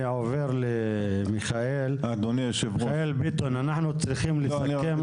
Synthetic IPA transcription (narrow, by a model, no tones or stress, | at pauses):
ʕoveɾle | miχaʔelad̪oniʃevaelbit̪onanaħnut͡sɾiχimlesakem